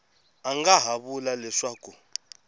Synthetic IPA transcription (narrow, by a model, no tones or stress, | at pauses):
aŋɡaɦaɓulalɛʂaːku